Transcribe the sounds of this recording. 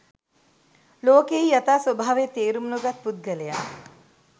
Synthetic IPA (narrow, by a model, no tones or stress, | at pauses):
loːkeijat̪aːsʋobʱaːʋet̪eːɾumnuɡat̪̚pud̪̚ɡəleja̰